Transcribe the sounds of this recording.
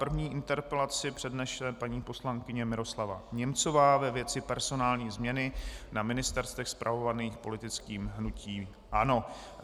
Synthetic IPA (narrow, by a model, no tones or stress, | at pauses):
pr̩vɲiːʔɪnt̪ɛɾpɛlat͡sɪpr̥ɛdnɛʃɛpaɲiːpo̞slaŋkɪɲɛmɪɾo̞slava̰ɲɛmt͡so̞vaːvɛvjɛt͡sɪpɛɾzo̞naːlɲiːzmɲɛnɪnamɪnɪst̪ɛɾst̪ɛxspɾʔavo̞vaniːxpo̞lɪt̪ɪt͡skiːmɦnucʰiːm | ʔano̞